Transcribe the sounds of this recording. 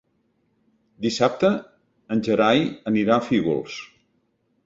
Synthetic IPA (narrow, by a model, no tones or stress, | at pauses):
d̪isap̚t̪əː | nʲʒəɾajəniɾafeɣɔ̰lˠs